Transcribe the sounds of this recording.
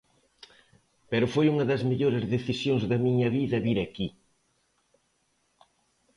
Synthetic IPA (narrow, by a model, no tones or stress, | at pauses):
peɾʊfojuŋɐðɐzmeʎoɾɪzðeθisjoŋzðɐmiɲɐβiðɐβiɾɐki